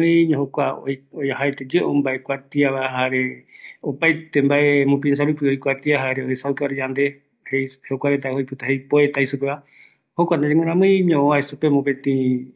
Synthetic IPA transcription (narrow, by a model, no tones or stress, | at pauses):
ɨ̃ɲõɦokʷaojojaɦaet̪ed͡ʒeʔõmbaepwat̪iaβaaɦaɾeopajt̪embaemũp̬is̬aɾupɨojkʷat̪iaɦaɾeohesakaɾjand̪e | hejhokʷaɾet̪̬aojpɨt̪ahejpoet̪ajsupeβa | hokʷanad͡ʒẽŋɨ̃ɾ̃ãmɨ̃jɲõõaesupemũpẽt̪ĩ